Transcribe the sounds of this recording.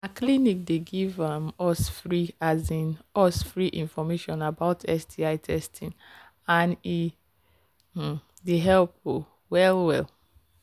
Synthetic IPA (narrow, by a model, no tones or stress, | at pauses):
aklinik̚deɡivãmɔsfɹiazĩnɔsfɹiʔĩnfɔmeʃɔ̃nabaʊtʰɛsdiaɪtʰɛstʰĩn | ãni | deɦɛlp̚o | wɛlwɛl